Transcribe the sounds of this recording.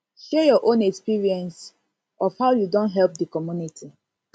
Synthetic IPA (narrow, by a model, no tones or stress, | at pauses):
ʃɛjɔʔõnɛkspiɹiɛ̃ns | ʔɔfhaʊjudõntɦɛlp̚dəkɔmjunitʰi